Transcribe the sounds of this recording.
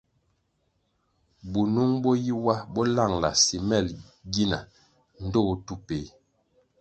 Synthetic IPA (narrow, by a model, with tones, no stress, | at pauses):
bu˨nu˦ŋbɔ˦ji˦wa˦bɔ˦la˦˨ŋla̰˨si˨mɛ˦˨l | ɡi˦na̰˨ | n̩˦dɔ˦˨˦tu˦pe˨˦